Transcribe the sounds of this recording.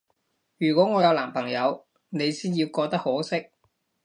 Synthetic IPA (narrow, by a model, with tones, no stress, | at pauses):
jyː˨˩kʷwɔː˨˥ŋɔː˨˧jɐ˨˧wlaː˨˩mpʰɐ˨˩ŋjɐ˨˧w | ne˨˧jsiː˥nji˧wkɔː˧k̚t̪ɐ˥k̚ho˨˥sɪ˥k̚